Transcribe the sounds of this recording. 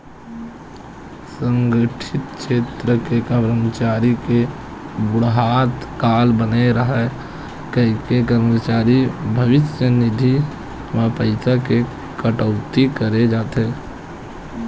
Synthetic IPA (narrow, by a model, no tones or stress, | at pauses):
sə̃ŋɡəʈʰɪt̪kʃʰeːt̪ɾəkekəbɾəmət͡ʃaːɾike | bʊɽɦaːt̪kaːlbəneɾəɦɛ | kəikekəɾmət͡ʃaːɾibʱəʋɪsjənɪd̪ʱi | mapəɪsake | kəʈəʊt̪ikəɾed͡ʒaːt̪ɦeː